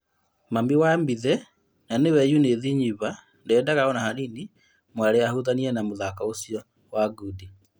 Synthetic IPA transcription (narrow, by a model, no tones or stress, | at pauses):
mamiwambiðɛ | nanewɛjuneðiɲiβa | ndɛdaɣaɔnahanini | mwaɾeahuðaniɛnamoðakaosjɔ | waɡudi